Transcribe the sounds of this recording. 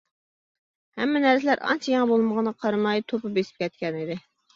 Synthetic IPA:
hɛmːɪnæɾsɪlæɾɑ̰nt͡ʃʰijɑŋæbolˠməʁənəqʰɑɾɨmɑjt̪ʰopɨbesɪ̥p̚kʲʰɛt̪̚kʲɛnɪd̪ɪ

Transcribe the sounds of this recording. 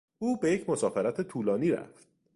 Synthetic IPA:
ʔuːbe̞jecʰmo̞sɒːfeɾæt̪ʰet̪ʰuːlɒːniːɾæ̰ft̪̚

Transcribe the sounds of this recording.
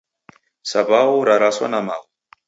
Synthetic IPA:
sabawuɾaɾaswa̰namaw

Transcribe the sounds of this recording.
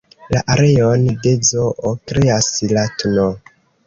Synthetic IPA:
laʔaɾe̞onde̞d͡zoʔokɾeaslatno

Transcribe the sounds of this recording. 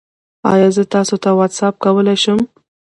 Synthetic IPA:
ɑ̰jɑzət̪ɑsot̪awad̪sap̚kawəlajʃəm

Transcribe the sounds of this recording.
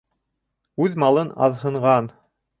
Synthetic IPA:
ʉðmɑlˠɤnɑ̰ðɦɤ̆ɴʁɑn

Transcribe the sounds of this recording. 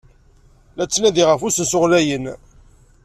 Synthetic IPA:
læt͡sːnæðiʁəfusəsʊʁlæjən

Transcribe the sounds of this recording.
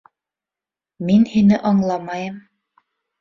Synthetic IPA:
minhinɘʔɑɴlˠɑmɑjɤm

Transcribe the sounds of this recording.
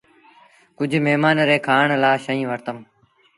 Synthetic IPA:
kʊd͡ʒʱmeɦmaːnɾeːkʰaːɳlaːʃəĩːʋəɾt̪əm

